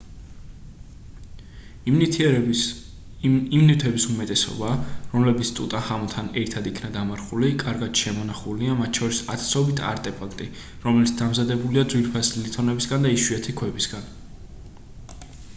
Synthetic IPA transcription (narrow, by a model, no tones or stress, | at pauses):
imnit̪ʰwɛbisumɛt̪ʼɛsɔ̰baɾɔmlɛbit̪sʰt̪ʼṵt̪ʼahamlˠt̪ʰanɛɾt̪ʰad̪ikʰnad̪amaɾχulikʼaɾɡad̪̥ʃɛmɔnaχuliamat̪̚ʰt͡ʃʰɔɾisa̰t̪ʰsɔbit̪ʰa̰ɾt̪ʼɛpʰakʰt̪ʼi | ɾɔmɛlit̪sʰd̪amzad̪ɛbuliad̪zwiɾpʰasilit̪ʰɔnɛbisɡand̪aiʃiɛt̪ʰikʰwɛbisɡ̥an